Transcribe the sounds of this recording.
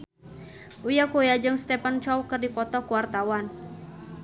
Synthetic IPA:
ʔujakojad͡ʒɨŋst̪ɛpant͡ʃɔwkɨrdipɔt̪ɔkuwart̪awan

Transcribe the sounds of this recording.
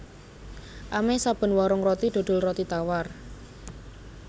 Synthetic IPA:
ʔamesab̥ə̤nwɔɾʊŋrɔt̪id̪̥o̤d̪̥ʊ̤lrɔt̪it̪awar

